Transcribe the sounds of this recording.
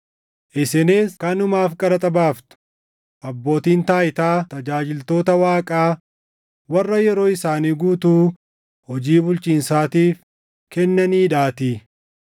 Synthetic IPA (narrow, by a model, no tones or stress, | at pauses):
ʔɪsɛneːskɐnʊmaːfkʼɐɾɐt̪ʼɐbaːft̪ʊ̥ | ʔɐbːo̞ːt̪iːnt̪aːɪt̪aːt̪ɐd͡ʒaːd͡ʒɪlt̪o̞ːt̪ɐwaːkʼaː | wɐrːɐjɛɾo̞ːɪsaːniːɡuːt̪uː | hɔd͡ʒiːbʊlt͡ʃʼiːnsaːt̪iːf | kɛnːɐniːᶑaːt̪i